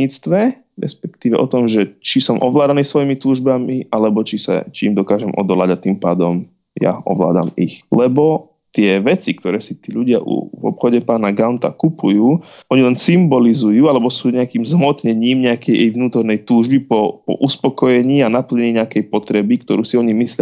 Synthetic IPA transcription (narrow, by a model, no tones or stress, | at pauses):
iːt͡st̪ʋɛ | ɾɛ̰spɛkt̪iːʋɛ̰ʔɔt̪ɔmʒɛt͡ʃisɔmʔɔʋlaːd̪aniːsʋɔjimit̪uːʒbamiʔalɛbɔt͡ʃisa̰t͡ʃiːmd̪ɔkaːʒɛmʔɔ̰d̪ɔlaɟat̪impaːd̪ɔm | ja̰ɔ̰ʋla̰ːd̪a̰mixlɛbɔ | t̪ɪɛʋɛt͡sik̚t̪ɔɾɛːsit̪iːʎuɟɪa̰ʔṵvɔ̰pxɔɟɛpaːnaɡaʊnt̪a̰kupujuːʔɔɲilɛnsimbɔlizujuːalɛbɔsuːɲɛakiːmzmɔt̪ɲɛɲiːmɲɛakɛjʔɛjʋnuːt̪ɔɾnɛjt̪uːʒbipɔpɔ̰ʔuspɔkɔjɛɲiːanapl̩ɲɛɲiːɲɛakɛjpɔt̪ɾɛbikt̪ɔɾuːsiɔɲimislɪa